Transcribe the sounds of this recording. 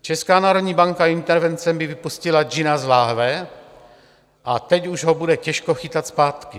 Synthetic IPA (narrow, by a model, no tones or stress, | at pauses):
t͡ʃɛskaːnaːɾo̞dɲiːbaŋkaint̪ɛɾvɛnt͡sɛmbɪvɪpuscɪlad͡ʒɪnazlaːɦlɛ | ʔat̪ɛcuʒɦobudɛcɛʃkoxɪt̪at̪spaːt̪kɪ